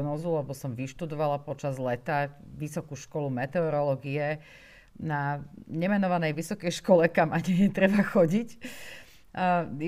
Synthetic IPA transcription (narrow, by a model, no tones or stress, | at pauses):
nɔːzulɛbɔsɔmʋiʃt̪ud̪ɔʋalapɔt͡ʃazlɛt̪aʋisɔkuʃkɔlumɛt̪ɛɔɾɔlɔːɡiɛ | naɲɛmɛnɔʋanɛjʋisɔkɛjʃkɔlɛkamaɲɛjɛt̪ɾɛbaxɔɟic